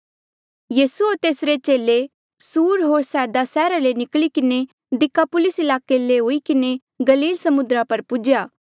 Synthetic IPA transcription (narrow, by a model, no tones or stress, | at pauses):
jiːsuoːɾt̪eːsɾet͡ʃeːle | suːɾɦoːɾsɛːd̪asɛːɾalenɪklikɪne | d̪ɪkːapʊlɪsɪlaːkeleɦoːikɪne | ɡɐliːlsɐmʊnd̪ɾapɐɾpʊd͡ʒjaː